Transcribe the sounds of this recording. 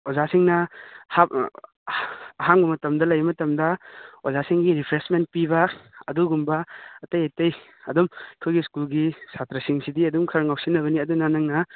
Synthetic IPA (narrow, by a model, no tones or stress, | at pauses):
ozasiŋnɐha | ɐɦaŋbɐmɐtɐmdɐlɐjɐmɐtɐmdɐozasiŋɡiɾipʰɾesment̚pibɐɐduɡumbɐɐtɐjajtɐj | ɐdumikʰojɡiskulɡisatɾɐsiŋsidiɐdumkʰɐɾɐŋawsinːɐβɐniɐdunanɐŋnɐ